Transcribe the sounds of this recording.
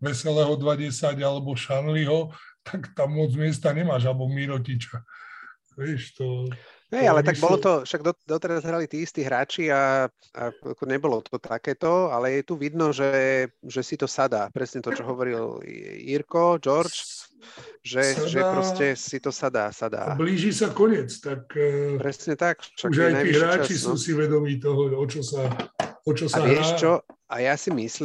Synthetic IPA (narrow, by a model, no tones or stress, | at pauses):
ʋɛsɛlɛːɦɔd̪ʋaɟɛsaɟalɛbɔʃanliɦɔt̪ʰakt̪amːɔd͡zmɪɛs̬t̪aɲɛmaːʒalɛbɔmiɾɔcit͡ʃa | ʋɪɛʃt̪ɔɦɛjalɛaɡbɔlɔt̪ɔʃaɡd̪ɔd̪ɔt̪ɛɾazɾalit̪iːist̪iːɦɾaːt͡ʃia | a̰a̰kɔɲɛbɔlɔt̪ɔt̪akɛːt̪ɔalɛjɛt̪uʋid̪nɔʒɛʒɛsit̪ɔsad̪aːpɾɛsɲɛt̪ɔt͡ʃɔɦɔʋɔɾil̰ḭɾkɔd͡ʒɔɾt͡ʃ | ʒɛʒɛpɾɔscɛsit̪ɔsad̪a̰ːsad̪a̰ːbliːʒisakɔɲɪɛt͡st̪akpɾɛsɲɛt̪akʃauʒaɛjnajiɦɾaːt͡ʃisnuɔːsiʋɛd̪ɔmiːt̪ɔɦɔɔt͡ʃɔsaɔt͡ʃɔsaaʋɪɛʃt͡ʃɔa̰jasimisl